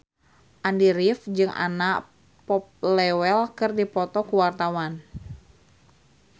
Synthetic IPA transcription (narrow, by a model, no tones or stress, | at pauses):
ʔandiɾifd͡ʒɨŋa̰naʔ | pɔp̚lɛwɛlkɨrdipɔt̪ɔkuwart̪awan